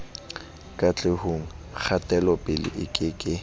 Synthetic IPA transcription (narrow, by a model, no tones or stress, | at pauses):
kʼat͡ɬʼehoŋ̩k͡xʰatʼɛlɔpʼɪlɪ̰ʔɪkʼɪkʼɪ